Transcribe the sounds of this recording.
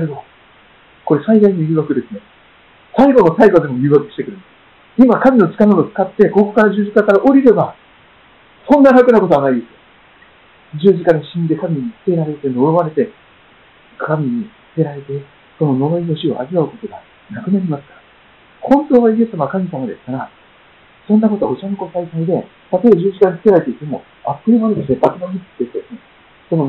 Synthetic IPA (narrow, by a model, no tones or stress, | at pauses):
saiɡo̞ | ko̞ɾe̞said̪aiɲijɯ̟ːβakɯ̟d̪e̞sɨne̞ | saiɡo̞no̞saiɡo̞d̪e̞mojɯ̟ːβakɯ̟̥ɕi̥t̪e̞kɯɾɯ̟nd̪e̥ | imakamʲino̞t͡ɕi̥kanod̪ot͡sɨ̥kat̪ːe̞ko̞ko̞kaɾaʑɨːʑikakaɾaʔo̞ɾʲiɾe̞ba | sõ̞nːanakɯnako̞t̪o̞anaid̪e̞sɨjo | d͡ʑɨːʑikaɾaɕĩnd̪e̞kamʲiɲit͡sɨ̥t̪e̞ɾaɾe̞t̪e̞noɾo̞βaɾe̞t̪e̞ | kʰamʲiɲ̟it͡sɨ̥ke̞ɾaɾe̞t̪e | so̞no̞no̞moino̞ɕio̰a̰ziβaɯ̟ko̞t̪o̞ɡa | nakɯ̟naɾʲimasɨ̥kaɾa | hõ̞nt̪o̞ːβaiesamaβakamʲisamad̪e̞sɨ̥kaɾa | sõ̞nːako̞t̪o̞̰ot͡ɕanoko̞saisaid̪e̞ | t̪at̪o̞ebaʑɨːʑikaɲisɨ̥ke̞ɾaɾe̞t̪eit̪ːe̞mo̞̰ | apːɯ̟ɾʲinoɾd̪esepːakɨnoitɨ̥t̪ːed̪esɨne | so̞no